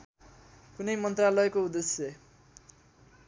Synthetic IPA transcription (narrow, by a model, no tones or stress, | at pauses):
kunʌjmʌnt̪ralʌekoud̪esjʌ